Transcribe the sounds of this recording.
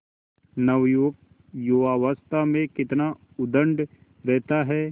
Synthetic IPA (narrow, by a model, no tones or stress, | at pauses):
nɐʋjoːɡ̚ | joːʋaːʋəst̪amẽkɪt̪na | ʊd̪ə̃ɳɖ | ɾɛɦt̪aɦɛː